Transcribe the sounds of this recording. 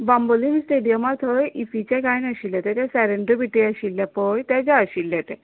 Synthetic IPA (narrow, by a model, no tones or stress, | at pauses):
bamboliːnsʈeɽijəmat̪ʰəjʔifit͡ɕaɡainəɕiljat̪ɛ̃t̪jasɛɾeɳɖɾəbiʈiəɕilːjapəjt̪ad͡ʑaəɕilːjat̪ɛ